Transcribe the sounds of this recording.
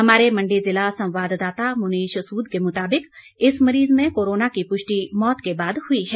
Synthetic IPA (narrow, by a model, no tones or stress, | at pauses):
ɦɐmaːɾemɐ̃ɳɖizɪlasɐ̃wʋaːd̪d̪aːt̪amʊniːʃɐsuːd̪kemʊt̪aːbɪk | ɪsmɐɾiːzmẽkoːɾoːnakipʊʃʈimɔːt̪kebaːd̪hʊiɦɛː